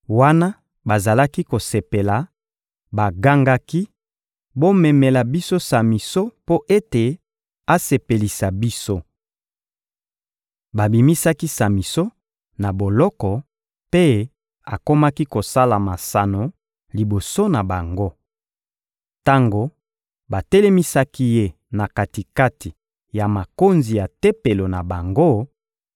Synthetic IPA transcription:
wa˦na˦ | ba˨za˨la˦ki˦ko˨se˨pe˨la˨ | ba˨ɡa˦ŋɡa˦ki˦ | bo˦mɛ˨me˨la˨bi˦so˦sa˨mi˨so˦po˦ʔe˦te˨ | a˦se˨pe˨li˨sa˨bi˦so˦ | ba˨bi˨mi˦sa˦ki˦sa˨mi˨so˦ | na˨bo˨lɔ˦kɔ˨ | pe˦ | a˨ko˦ma˦ki˦ko˨sa˦la˨ma˨sa˨no˨ | li˨bo˨so˦na˨ba˨ŋɡo˦ | ta˦ŋɡo˦ | ba˨tɛ˦lɛ˦mi˦sa˦ki˦je˦ | na˨ka˨ti˨ka˦ti˨ | ja˨ma˨ko˦nzi˨ja˨te˦pe˨lo˨na˨ba˨ŋɡo˦

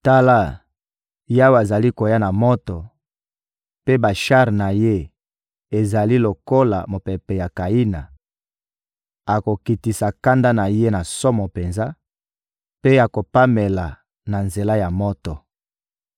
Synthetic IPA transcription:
ta˦la˦ | ja˦wa˨za˨li˦ko˨ja˦na˨mɔ˦tɔ˨ | pe˦ba˨ʃa˦ʁna˨je˦ | e˨za˨li˦lo˨ko˦la̰˨mo˨pe˨pɛ˨ja˨ka˨i˦na˨ | a˨ko˨ki˨ti˨sa˨ka˦nda˦na˨je˦na˨sɔ˦mɔ˨pe˨nza˦ | pe˦a˨ko˨pa˦me˨la˨ | na˨nze˨la˦ja˨mɔ˦tɔ˨

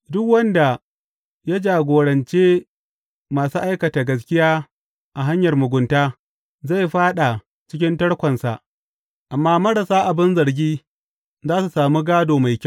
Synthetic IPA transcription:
dʊ˦kwɐ˦nda˨ | ja˦d͡ʒaː˨ɡʷoː˨ɽɐ˨nt͡ʃeː˦ | maː˨suː˦ʔa˦jkɐ˨ta˨ɡɐ˦skʲɪ˦jaː˦ | ʔa˨ɦa˦ɲjɐ˨rmʊ˨ɡʷʊ˨ntaː˦ | za˦˨jɸaː˦ɗa˨ | t͡ʃɪ˦kʲɪ˦ntɐ˦ɽkʷɐ˨nsa˨ʔ | ʔa˨mːaː˦mɐ˦ɽɐ˨saː˦ʔa˨bɪ˦nzɐ˨ɾɡʲiː˦ | zaː˦su˨saː˨muː˦ɡaː˦doː˨ma˨jkʲ

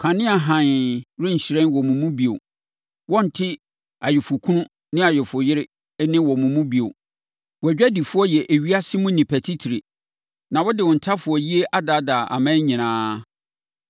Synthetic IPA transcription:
kʰã˨nɪ̃˦a˨ɦã˨nɾɪ̃˦ɲ̩˨ɕɪ˨ɾɛ̃˦nwɔ˨mũ˨mũ˦bi˨o̰˨ | wɔ̃˦n̩˨tʰɪ˦ | a˨jɪ˨fʊ˨kʰũ˦nʊ̃˦ | nɪ̃˦a˨jɛ˨fʊ˨jɪ˦ɾɪ˦ | nɪ̃˦wɔ˨mʊ̃˨mũ˦bi˨o̰˨ | wɔ˨æ˨d͡ʑᶣɛ˦di˨fʊ˦ɔ˦jɛ˨ʔe˨ɥi˦a˦sɪ˦mʊ̃˦nĩ˨pʰæ˨tʰi˦tʰi˨ɾe˨ | nã˨wɔ˦dɪ˨wɔ̃˨n̩˨tʰa˦fʊ˨ɔ˨ji˦e˦ʔa˦da˦da˨ʔa̰˨mã˦ɲĩ˨nãː˦

